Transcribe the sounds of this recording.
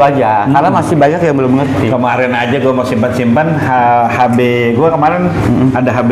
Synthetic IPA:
ad͡ʒakarnamasɪbaɲakjaŋbəlʊmːəŋərt̪ikəmaɾɛnad͡ʒaɡuamasimpansimpanhahabe | ɡuakəmaɾɛnadaɦab

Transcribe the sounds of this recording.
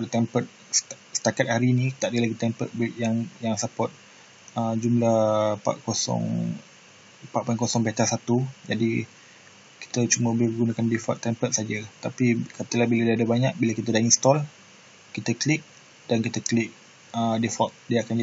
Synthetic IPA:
t̪ɛmpət̪̚ | s | sə̥t̪akat̪̚haɾiːnĩt̪aʔdəlaɡit̪ɛmpə̰t̪̚bʔjaŋjaŋsapɔt̪̚ | əd͡ʒumlahpa̰ʔkosɔ̰ŋ | paʔ̚pankɔsɔŋbɛt̪asat̪ud͡ʒadi | ki̥t̪ət͡ʃuməbibəɡunakandifɔ̰t̪ːɛmpət̪̚sad͡ʒat̪apikat̪əlahbiladadabaɲak̚biləkit̪adainst̪ɔl | kit̪əklik̚ | d̥ankit̪əklik̚ | ədifɔt̪̚diakand͡ʒa

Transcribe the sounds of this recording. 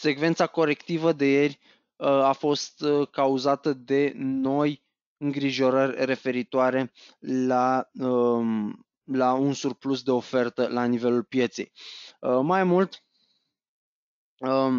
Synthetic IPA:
se̞kve̞nt̪sako̞ɾe̞kt̪ivəd̪e̞je̞rʲ | afo̞st̪kauzat̪əd̪e̞no̞j | ɨŋɡɾiʒo̞ɾərʲre̞fe̞ɾit̪oaɾe̞la | launsurplusd̪e̞o̞fe̞rt̪əlanive̞lulpje̞t̪se̞̰jəmajmult̪ | ə

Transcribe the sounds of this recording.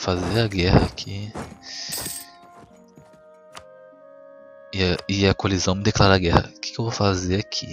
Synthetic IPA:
fazeaɡɛhɐ̰kʰi | ɪaɪɐkolizɐ̃w̃mɪd̪eklaɾaɡɛhɐ̰kɪ̥kewvofazeɾakʰi

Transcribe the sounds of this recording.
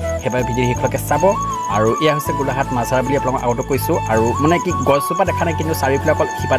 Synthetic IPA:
xɛbaɛbʱidiɹiɦikʰɔlɔkɛsabɔ | a̰ɹuʔɛjaɦosɛɡulaɦatmazaɹabuliapunakɔʔa̰ɡɔotʊkojsʊ̃aɹumɔnɛkiɡɔɹsupadɛkʰanajkintʊsaɹipulakɔlxipa

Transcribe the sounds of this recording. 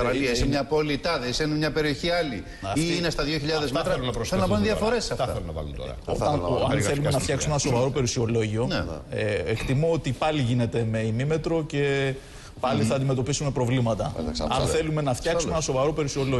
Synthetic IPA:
ɐisimɲɐpo̞lit̪ɐðeisenemɲɐpe̞ɾio̞çiɐli | ɐinest̪ɐðjoçiʎɐðezmet̪ɾɐenɐpɾselunɐpɐnunðiɐfo̞ɾesːɐft̪ɐθθelunɐpɐ̰lṵnt̪o̰ɾɐ̰o̰ɐɐnθe̞lumenɐft̪çɐksumenɐso̞vɐɾo̞pe̞ɾusio̞lo̞ʝio̞n | ekt̪imoot̪ipɐliʝine̞t̪e̞me̞imime̞t̪ɾo̞ce̞ | pɐliθɐːnd̪ime̞t̪o̞pisume̞pɾo̞vlimɐt̪ɐ̰ɐsɐnθθe̞lume̞nɐft̪çɐksumenɐso̞vɐɾo̞pe̞ɾusio̞lo

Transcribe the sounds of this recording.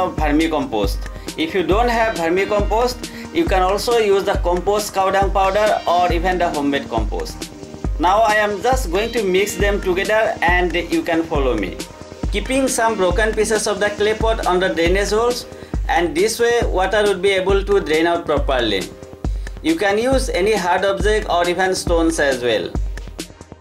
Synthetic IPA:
ɔvbʱʌɾmikɔ̃mpo̰sʈ | ifʰjuɖõnʈɦɛʋbʱəɾmikɔ̃mposʈ | jukɛ̃nɔlsojuzd̪əkɔ̃mposʈkaʊɖə̃ŋpaʊɖəɾɔɾivɛ̃nd̪əɦõmːeɖkɔ̰̃mpo̰sʈnaʊajɛ̃md͡ʒʌsʈɡoĩŋʈumiksd̪ẽmʈuɡed̪əɾɛ̃ɳɖjukɛ̃nfɔlomḭ | kipĩŋsʌ̃mbɾokə̃npisesɔfd̪əklepɔʈɔ̃nd̪əɖenesolsʔɛ̃ɳɖ̚d̪iswewɔʈəɾwuɖ̚biebəlʈuɖɾẽnaʊʈ̚pɾɔpəɾlḭ | jukɛ̃njuːzeniɦaɾɖɔb̚d͡ʒekɔɾiʋə̃nsʈõnsæzwḛl

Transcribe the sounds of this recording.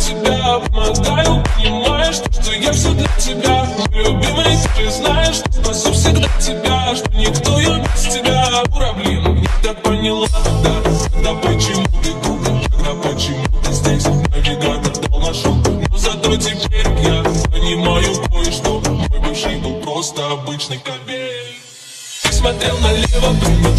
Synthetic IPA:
tʲɪbʲapəmɐɡajʊpənʲɪmajɪʂt̪oʂt̪ojafsʲoɡ̪d̪ʲɐtʲɪbʲalʲʊbʲiməjtʲɪʐɛznajɪʂt̪ospɐsʲofsʲɪɡd̪atʲɪbʲaʂt̪onʲɪkt̪o̞jasʲtʲɪbʲaɾɐblʲenɨnʲɪt̪ak̚pənʲɪlˠad̪akɐɡd̪apət͡ɕɪmulʲɪd̪ukək̪ɐɡd̪apət͡ɕɪmut̪əzʲdʲesʲt̪ʲmojvʲɪɡɾat̪ərd̪alˠnɐʂunozɐt̪otʲɪpʲeɾʲjapənʲɪmajʊkojɪʂt̪o̞mojbʲɪʂibɨlˠpɾo̞st̪əɐbɨt͡ɕnəjkɐbʲe | ismɐt̪ɾʲelˠnɐlʲevəp

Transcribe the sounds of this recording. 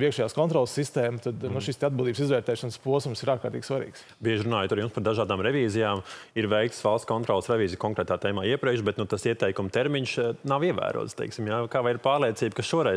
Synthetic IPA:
iɛkʃɛjaːskɔnt̪ɾɔlˠsːist̪ɛːmt̪ad̪nuʃist̪ɛad̪bʲilˠd̪iːbs̬izʋɛːɾt̪ɛːʃanspuɔsumsiɾaːɾkaːɾt̪iːɡ̥ʲsʋaɾḭːks | biɛʒɪɾunaːjut̪aɾjumspaɾd̪aʒaːd̪aːmɾɛʋʲiːzijaːmiɾʋɛjkt̪sʋalˠst̪kɔnt̪ɾɔːlˠsɾɛvʲiːzijkɔŋkɾɛːt̪aːt̪ɛːmaːiɛpɾiɛkʃ̬bɛt̪nut̪asiɛt̪ɛjkumt̪ɛɾmiɲsnaʋiɛʋæ̰ːɾṵɔ̰t̪st̪ɛ̰ɪksimjakaːʋajiɾpaːɾlˠiɛt̪siːbkasʃuɔɾɛ

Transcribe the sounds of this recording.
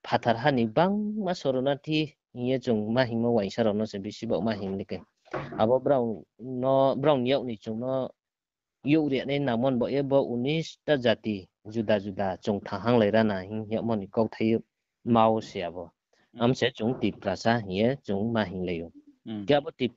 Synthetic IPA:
pʰatʰaɾɦanibaŋmasɔɾɔnatʰi | hiet͡ʃuŋmaɦiŋmɔwajŋsaɾɔnɔsebisibawmaɦiŋlikaj | abɔbɾawnɔbɾawnjawnit͡ʃuŋnɔ | juwɾianajnamɔnbɔʔjebɔʔunistazati | zudazudat͡ʃuŋtʰaŋɦaŋlajɾanaɦiŋjaw̚mɔnikawtʰaj | mawseabɔ | amset͡ʃuŋtipɾasaɦiet͡ʃuŋmaɦiŋlaju | kijabɔtip̚

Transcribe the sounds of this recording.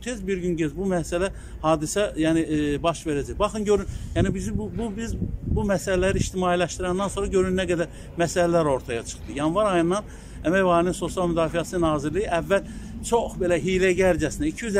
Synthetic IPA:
t̪ʰezbiɾɟynɟøzbumæsælæ | hɑːd̪isæjæːnibɑʃve̞ɾæd͡ʒæjbɑxɯnɟøɾynjæːnibizibububizbumæsælælæɾiiʃt̪imɑːilæʃt̪iɾænd̪ænso̞nɾɑɟø̞ɾynːæɡæd̪æɾ | mæsælælæɾo̞ɾt̪ʰɑjɑt͡ʃʰɯ̥χt̪ɯjɑnvɑɾɑjɯnːɑn | æmæjvɑɾininso̞sijɑlˠmyd̪ɑːfijɑsɯnɑːziɾlijiʔævːæl | t͡ʃʰo̞xbe̞læɦijlæɟæɾd͡ʒæsinæicʰijyz

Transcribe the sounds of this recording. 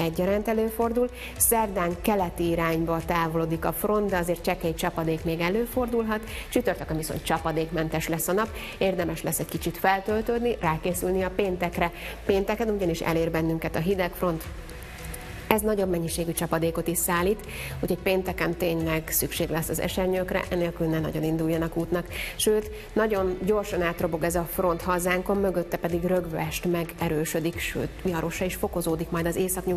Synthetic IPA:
ɛɟːɒɾaːnt̪ɛløːfo̞rd̪ul | sɛrd̪aːŋkɛlɛt̪iːɾaːɲbɒt̪aːvo̞loːd̪ikɒfro̞nd̪d̪ɛɒzeːrt̪̚t͡ʃɛkɛct͡ʃɒpɒd̪eːkmeːɡɛløːfo̞rd̪ulɦɒt̪t͡ʃyt̪ørt̪økɛmviso̞̰nt̪t͡ʃɒpɒd̪eːkmɛnt̪ɛʃlɛsːɒnɒp | eːrd̪ɛmɛʃlɛsːɛckit͡ʃit̪fɛlt̪ølt̪øːd̪niraːkeːsylniɒpeːnt̪ɛkrɛpeːnt̪ɛkɛnuɟɒniʃɛ̰leːrbɛnːyŋkɛt̪ɒɦid̪ɛkfro̞nt̪ | ɛznɒɟo̞bmɛɲːiʃeːɡyt͡ʃɒpɒd̪eːko̞t̪iʃsaːliːt̪ | uːchoc̚peːnt̪ɛkɛmt̪eːɲlɛɡsykʃeːɡlɛsːɒzɛ̰ʃɛrɲøːkrɛ̰ʔɛneːlkylnɛnɒ̰ɟo̞nind̪uljːɒnɒkuːt̪nɒkʃøːt̪ | nɒɟo̞nɟo̞rʃɒnaːt̪ro̞bo̞ɡɛzɒfro̞nt̪ɦɒzaːŋko̞mːøɡøt̪ːɛpɛd̪iɡrø̞ɡʋɛʃt̪mɛɡɛɾøːʃø̞d̪ikʃø̰ːt̪iɒɾʔo̞ʃɒiʃfo̞ko̞zoːd̪ikmɒjd̪ɒzeːsɒkɲu

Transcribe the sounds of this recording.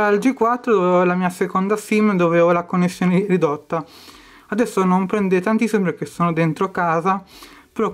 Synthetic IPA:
ald͡ʒikːwat̪ːɾod̪ovɛolamiːasekond̪asimd̪ovevolakonːesːjoːneɾid̪ot̪ːa | ad̪ɛsːonompɾɛnd̪et̪ant̪isːimpek̟esːoːnod̪ent̪ɾokaːzapeɾɔ

